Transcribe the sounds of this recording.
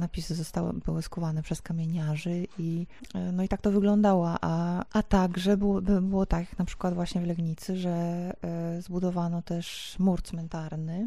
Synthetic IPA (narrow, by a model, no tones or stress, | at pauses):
napʲisɘzɔst̪aw̰bɘwɘskuvanɛpʂɛskamʲeɲaʐɘʔinɔit̪ak̚t̪ɔvɘɡlɔnd̪awaʔaat̪aɡʐɛbwbbɘwɔt̪aknapʂɘ̥kwad̪vwaɕɲɛvlɛɡɲit̪sɘʐɛ | zbud̪ɔvanɔt̪ɛʂmuɾt̪smɛnt̪aɾnɘ